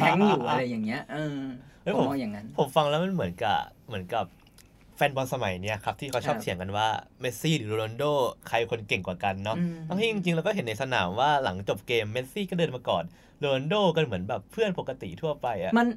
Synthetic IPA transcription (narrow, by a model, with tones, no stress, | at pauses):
pʰɛ˨˧˦ŋjuː˨˩˧ɾa˧jːa˨˩ŋːi˦˥ɐɤː˧ʔo˦˥jpʰo˩˦˧a˨˩ŋːa˧npʰo˨˩˦mfa˧ŋlɛ˦˥wma˧˨nmɯ˩˦ənka̰˨˩mɯ˩˦ənka˨˩p̚ | fɛː˧nbɔ˧nsa˧ma˩˦jni˦˥ɐkʰa˦˥p̚t̪ʰiː˥˩kʰa˦˥wt͡ɕʰɔː˥˩p̚t̪ʰi˩˦əŋka˧nwaː˥˩me˦˥t̪̚siː˥˩ɾɯː˩˦lu˧lo˧ndoː˥˩kʰa˧jkʰo˧nke˨˩ŋkwaː˨˩ka˧nːɔ˦˥ʔba˧ŋt̪ʰiː˥˩˨ʔi˧ŋt͡ɕi˧ŋlɛː˦˥wkɔ˥˩e˩˦nːa˧jsa˧na̰ː˩˦mwaː˥˩la˩˦ŋt͡ɕo˨˩p̚keː˧mːe˦˥t̪̚siː˥˩kɔ˥˩dɤː˧nmaː˧kɔ̰ː˨˩n | luː˧lo˧ndoː˥˩ka˧nmɯ˩˦ənbɛː˨˩pʰːɯ˥˩ənpo˨˩kːa˧t̪ḭ˨˩t̪ʰu˥˩ɐpa˧jʔa˨˩ma˧n